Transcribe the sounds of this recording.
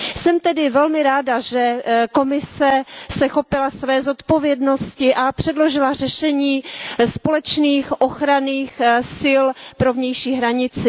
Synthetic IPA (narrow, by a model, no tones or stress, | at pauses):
sɛmt̪ɛdɪvɛlmɪɾaːdaʒɛko̞mɪsɛsɛxo̞pɪlasvɛːzo̞t̪po̞vjɛdno̞scɪʔapr̝̥ɛdlo̞ʒɪlar̝ɛʃɛɲiːspo̞lɛt͡ʃniːxʔo̞xɾaniːxsɪlpɾo̞vɲɛjʃiːɦɾaɲɪt͡sɪ